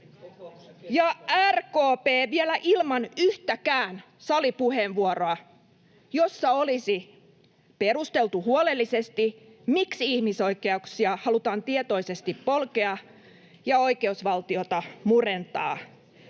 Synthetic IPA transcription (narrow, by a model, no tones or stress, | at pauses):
jɑærkoːpeːʋielæʔilmɑnyht̪ækæːn | sɑlipuheʋʋuoroɑ | josːɑolisi | perust̪elt̪uhuolelːisest̪i | miksihmisoikeɑuksiɑhɑlut̪ɑːnt̪iet̪oisest̪ippolkeɑ | jɑo̞ikeusʋɑlt̪iot̪ɑmurent̪ɑ̰ː